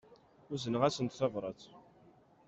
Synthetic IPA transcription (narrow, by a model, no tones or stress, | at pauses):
ʊzənəʁæsənt̪θɑvɾˤɑt͡s